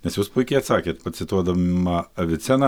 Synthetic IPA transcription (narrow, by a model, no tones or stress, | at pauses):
nʲɛsjuːspʊɪkʲɛɪɐt̪sɑːkʲeːt̪pɐsʲɪt̪uɔd̪ɐmɐɐʋʲɪt̪sʲɛnɐ